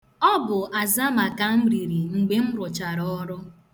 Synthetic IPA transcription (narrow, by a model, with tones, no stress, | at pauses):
ɔ˦bʊ˨ʔa˨za˦ma˨ka˨m̩˦ɾi˨ɾi˨ŋ͡m̩˨ɡ͡be˦m̩˦ɾʊ˨t͡ʃa˨ɾɔ˦ɾʊ˦